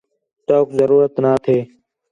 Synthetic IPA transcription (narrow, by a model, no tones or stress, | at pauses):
ʈoːkzəɾuːɾət̪naːt̪ʰeː